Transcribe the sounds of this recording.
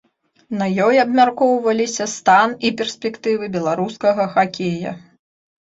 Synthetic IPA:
nɐjɔjɐbmʲarkɔwvɐlʲisʲɐst̪anipʲɛrsʲpʲɛkt̪ɨvɨbʲɛlˠaɾuskɐɣɐxakʲejɐ̰

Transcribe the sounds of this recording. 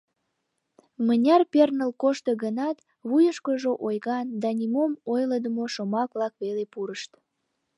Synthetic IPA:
mənʲɑrpernəlkoʃt̪əɣənɑt̪ | βujəʃkəʒoʔojɣɑnd̪ɑnʲimomojləd̪əmoʃomɑkβlɑkβelepuɾəʃt̪

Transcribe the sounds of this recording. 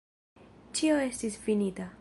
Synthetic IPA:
t͡ʃioe̞stisfinita

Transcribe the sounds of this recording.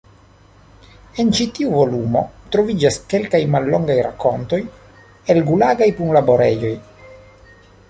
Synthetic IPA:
e̞nt͡ʃit̪iuvo̞lumo̞̰t̪ɾo̞vid͡ʒaske̞lkajmalːoŋɡajɾa̰ko̞nto̞j | elɡulaɡajpuŋlabo̞ɾejo̞j

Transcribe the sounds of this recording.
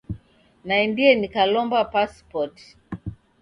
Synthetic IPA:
naimbiɛnikalɔmbapaspɔt

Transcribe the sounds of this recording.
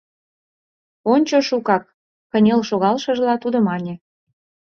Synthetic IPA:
onʲt͡ɕoʃukɑk̚ː | ə̆nʲelʃoɣɑlʃə̆ʒlɑt̪ud̪ŏmɑnʲe

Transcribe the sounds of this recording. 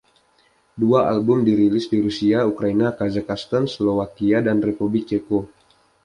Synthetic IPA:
duaʔalbʊmdiɾilɪsdiɾusiaukɾainakazakast̪anslovakiadanrepublɪk̚t͡ʃeko

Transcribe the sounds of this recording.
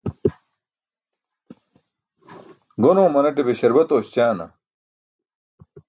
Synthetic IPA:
ɡonoːmɐnɐʈebeɕɐɾbɐt̪oːɕt͡ɕaːnɐ̰

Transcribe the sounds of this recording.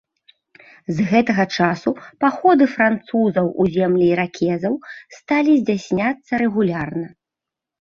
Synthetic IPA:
zɣɛt̪ɐɣɐt͡ʂasupaxɔd̪ɨfɾant̪suzɐwʔuzʲɛmlʲiiɾakʲʰɛzɐwst̪alʲizʲd͡zʲasʲnʲat̪sːɐɾɛɣulʲarnɐ

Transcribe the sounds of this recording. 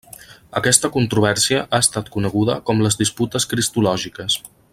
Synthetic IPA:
əkɛst̪əkunt̪ɾuβ̞ɛɾsiəʔaəst̪at̪kunəɣ̞uðə̰kɔmləzðisput̪əskɾist̪ulɔʒikəs

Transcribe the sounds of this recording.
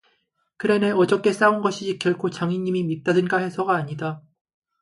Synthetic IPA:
kɯɾe̞neʌd͡ʑʌk͈e̞s͈aunɡʌɕʰiikjʌɭkʰot͡ɕaŋiɲːimimit̚t͈adɯnɡahe̞sʰʌɡaːɲida

